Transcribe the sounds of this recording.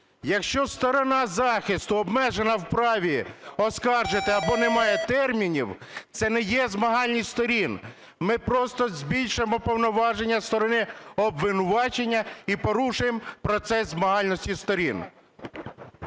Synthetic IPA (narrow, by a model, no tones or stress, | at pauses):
jɐkʃt͡ʃɔst̪ɔɾɔnɑzɑxist̪ʊɔbmɛʒenɐwpɾɑʋʲiɔskɑrʒet̪ɪɐbɔnɛmɑjɛt̪ɛrmʲinʲiwt̪sɛnɛjɛzmɐɦɑlʲnʲist̪ɔɾʲin | mɪpɾɔst̪ɔzʲbʲilʲʃʊjemɔpɔwnɔʋɑʒenʲːɐst̪ɔɾɔnɪɔbʋɪnʊʋɑt͡ʃe̞nʲːɐipɔɾuʃʊjempɾɔt̪sɛzzmɐɦɑlʲnɔsʲtʲist̪ɔɾʲin